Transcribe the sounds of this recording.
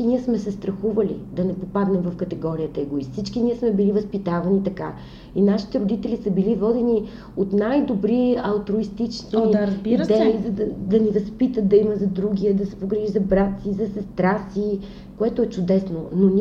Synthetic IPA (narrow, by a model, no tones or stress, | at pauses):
iniɛsmɛsɛst̪ɾɐxuvɐlḭd̪ɐnɛpopad̪nɛmvɐfkɐt̪ɛɡɔɾiət̪əɛɡoist̪sit͡ʃkiniɛsmɛbilivɐspit̪avɐnit̪ɐka | inaʃi̥t̪ɛɾod̪it̪ɛlisɐbilivɔd̪ɛni | ot̪najd̪obɾiɐlˠt̪ɾoist̪it͡ʃniiaɐzbiɾd̪ɛizɐd̪ɐd̪ɐnivɐspit̪ət̪̚d̪ɐimɐzɐd̪ɾuɡʲiəd̪ɐsɛ̥poɡɾiʒizɐbɾat̪sizɐsɛst̪ɾasi | koɛt̪oɛt͡ʃʊd̪ɛsnonon